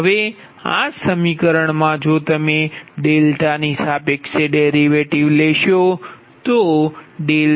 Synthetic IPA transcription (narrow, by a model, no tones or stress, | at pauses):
ɦəʋe | a̰səmikəɾəɳmãd͡ʒot̪əmeɖelʈanisabekseɖeɾiʋeʈiʋleʃo | t̪oɖel